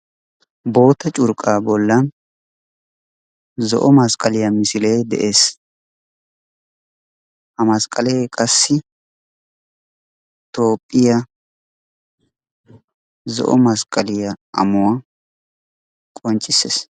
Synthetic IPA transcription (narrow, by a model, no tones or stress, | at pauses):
bo̞ːt̪ɐt͡ʃʼʊɾkʼaːbɔlːɐn | zɔ̰ʔɔmɐskʼɐlɪjɐmɪsɪlejd̪ɛ̰ʔe̞ːs | hɐmɐskʼɐlejkʼɐsːɪ | t̪o̞ːpʼːɪjɐ | zɔ̰ʔɔmɐskʼːɐlɪjɐʔɐ̰mʊwɐ | kʼɔnt͡ʃʼːɪsːḛːs